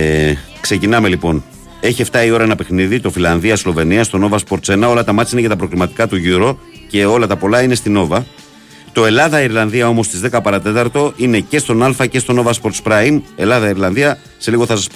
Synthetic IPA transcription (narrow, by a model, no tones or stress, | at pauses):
kse̞cinɐme̞lipo̞n | e̞çie̞ft̪ɐio̞ɾɐenɐpe̞xniðit̪o̞filɐnðiɐslo̞ve̞niɐst̪o̞no̞vɐspo̞ɾt̪se̞nɐo̞lɐt̪ɐmɐt͡sinecɐt̪ɐpɾo̞ɣɾimɐt̪i̥kɐt̪uʝuɾo̞ | ce̞o̞lɐt̪ɐpo̞lɐine̞st̪ino̞vɐ | t̪o̞e̞lɐðɐiɾlɐnðiɐo̞mo̞st̪izðe̞kɐpɐɾɐt̪e̞t̪ɐɾt̪o̞ʔine̞ce̞st̪o̞nɐlfɐce̞st̪o̞no̞vɐspo̞ɾt̪spɾɐime̞lɐðɐiɾlɐnðiɐ | se̞liɣo̞θɐsɐspo